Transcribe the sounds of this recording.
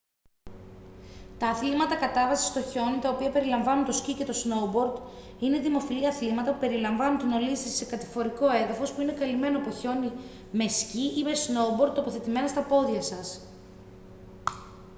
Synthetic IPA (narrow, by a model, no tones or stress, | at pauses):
t̪ɐːθlimɐt̪ɐkɐt̪ɐvɐsi̥st̪o̞ço̞nit̪ɐopiɐpe̞ɾilɐɱvɐnunt̪o̞scice̞t̪o̞sno̞bo̞ɾd̪ | ine̞ðimo̞filiɐθlimɐt̪ɐpupe̞ɾilɐɱvɐnunt̪ino̞lisɐssekɐt̪i̥fo̞ɾiko̞e̞ðɐfo̞spuine̞kɐlime̞nopo̞ço̞ni | me̞sciʔime̞sno̞ubo̞ɾd̪̚t̪ːopo̞θe̞t̪ime̞nɐst̪ɐpo̞ðʝɐsɐs